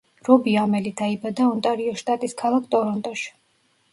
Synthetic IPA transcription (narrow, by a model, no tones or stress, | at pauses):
ɾɔbiamɛlid̪aibad̪aɔnt̪ʼaɾiɔʃt̪ʼat̪ʼiskʰalˠakʰt̪ʼɔɾɔnt̪ʼɔʃ